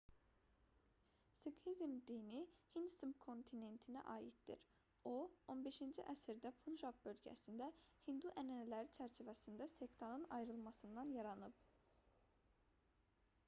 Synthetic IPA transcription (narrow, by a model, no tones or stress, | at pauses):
sikhizmd̪inihind̪sɯmkʰo̞nt̪ʰine̞nt̪ʰinæ̰ʔɑːjit̪d̪ḭɾ | oo̞nbe̞ʃind͡ʒiʔæsiɾd̪æpʰunʒak̚bø̞lʲɟæ̰sind̪æhind̪uʔænænælæɾit͡ʃʰæɾt͡ʃʰivæsind̪æsekt̪ʰanɯnɑjɾɯlˠmɑsɯnd̪ɑnjɑɾɑnɯp